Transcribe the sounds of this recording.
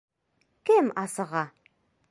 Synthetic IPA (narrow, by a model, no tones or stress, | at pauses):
kɘmɑsɤʁɑ